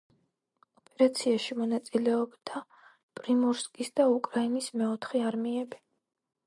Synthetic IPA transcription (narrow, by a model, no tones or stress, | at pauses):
ɔpʼɛɾat̪sʰiaʃimɔnat̪sʼilɛɔbd̪a | pʼɾimɔɾskʼisd̪aukʼɾainismɛɔt̪ʰχɛaɾmiɛbi